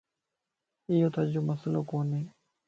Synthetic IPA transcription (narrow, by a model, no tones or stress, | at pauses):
ɪjõːt̪ad͡ʒoməsəloːkoːneː